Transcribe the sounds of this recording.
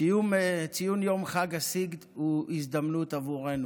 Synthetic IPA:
ijumt͡sijunjomχaɡasiɡd̪uisd̪amnut̪avuʁe̞nu

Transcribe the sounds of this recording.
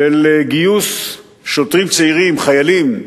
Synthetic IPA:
eleɡijus | ʃot̪ʁimt͡seiʁimχajalim

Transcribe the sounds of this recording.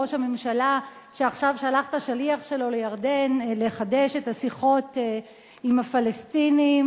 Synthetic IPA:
oʃame̞mʃalaʃeaχʃavʃealaχtaʃaliaχʃe̞lo̞lejaʁde̞nleχade̞ʃetasiχo̞t | imafalestinim

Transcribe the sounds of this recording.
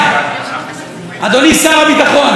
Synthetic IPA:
ad̪onisaʁabit̪aχon

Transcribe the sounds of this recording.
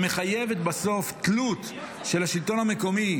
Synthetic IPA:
me̞χaje̞vet̪baso̞fklut̪ | ʃe̞lhaʃilt̪o̞nhame̞ko̞mi

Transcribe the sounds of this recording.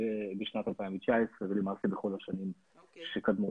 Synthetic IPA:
ebeʃnat̪alpaimvet͡ʃaesʁevelimaʁt̪ibeχo̞laʃanim | ʃekad̪mu

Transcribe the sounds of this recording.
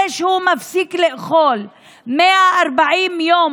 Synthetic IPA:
eːʃhuːmafsiːklɪʔxoːl | mɪaʔɑɾˤbaʕiːnjoː

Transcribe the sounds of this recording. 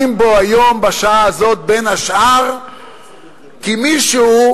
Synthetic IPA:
imbo̞ajo̞mbaʃaʔaːzo̞t̪̚be̞nhaʃʔaʁ | kimiʃu

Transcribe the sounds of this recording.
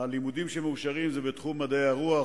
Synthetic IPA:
alimud̪imʃemeuʃaʁimzebet̪χumːad̪ejaʁua

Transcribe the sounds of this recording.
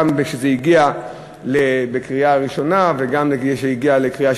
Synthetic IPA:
mbeʃezeiɡia | lebekʁiaʁiʃo̞naveɡamleʃeiɡialekʁia

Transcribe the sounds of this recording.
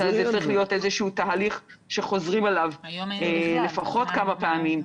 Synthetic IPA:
azeit͡saʁiχlijo̞te̞zeʃuutaaliχʃe̞χo̞zʁimalavele̞faχo̞tkamapeamim

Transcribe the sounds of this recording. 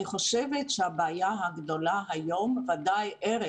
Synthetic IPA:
iχo̞ʃevetʃeabaːjaɦaɡd̪o̞laɦajo̞mvad̪ajʔeʁe

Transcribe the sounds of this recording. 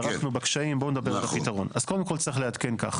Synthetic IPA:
ʁafnubekʃaimboned̪abeʁalapit̪aʁo̞naz̥ko̞d̪emko̞lt͡saʁiχlead̪ke̞nka̰χ

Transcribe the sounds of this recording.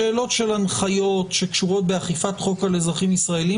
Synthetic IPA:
eːlo̞tʃe̞lanχajo̞tʃe̞kʃuʁo̞t̪̚beaχifat̪χo̞kalezʁaχimisʁaeli

